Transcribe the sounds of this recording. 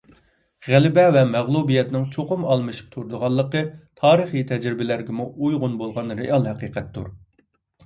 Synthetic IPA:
ʁælɪbɛvɛmæʁlˠubijɛt̪nɪŋt͡ʃʰoqʊmɑlˠmɨʃi̥p̚t̪ʰuɾd̪əʁɑlˠːəqət̪ʰɑːɾɨχit̪ʰɛd͡ʒɾɪbɪlæɾɡʲɛmuʔujʁʊnbolˠʁɑnɾeʔɑlˠhɛqiːqɛt̪ːṵɾ

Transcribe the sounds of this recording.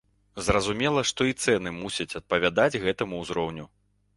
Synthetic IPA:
zrɐzumʲɛlˠɐʂt̪ɔit̪sɛn̪ɨmusʲɐt͡sʲɐt̪̚pɐvʲad̪ad͡zʲɣɛt̪ɐmuːzɾɔwnʲu

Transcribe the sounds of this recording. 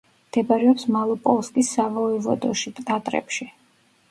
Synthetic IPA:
d̪̥ɛbaɾɛɔpsmalˠɔpʼɔlˠskʼisːavɔɛvɔ̰d̪ɔʃipʼt̪ʼat̪ʼɾɛ̰pʃi

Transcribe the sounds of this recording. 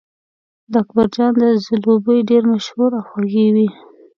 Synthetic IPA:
d̪akbaɾd͡ʒɑnd̪əzɪlobəjɖeɾmaʃhuɾawxwaɣewi

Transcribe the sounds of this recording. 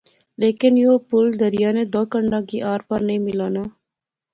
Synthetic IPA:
leːkɪnjoːpʊld̪əɾɪjaːned̪ɔːkəɳɖãːkiːʔaːɾpanəĩːmɪlaːnaː

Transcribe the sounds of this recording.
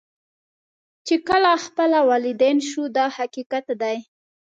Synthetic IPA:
t͡ʃekəlaxpəlawɑlɪd̪enʃud̪ɑhakikat̪d̪aj

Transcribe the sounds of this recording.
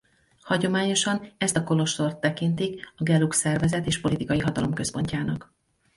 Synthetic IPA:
hɒɟo̞maːɲo̞ʃɒnɛst̪ɒko̞lo̞ʃt̪o̞rt̪ːɛkint̪ikɒɡɛluksɛrvɛzɛt̪eːʃpo̞lit̪ikɒjiɦɒt̪ɒlo̞mkø̞spo̞ɲcaːnɒk

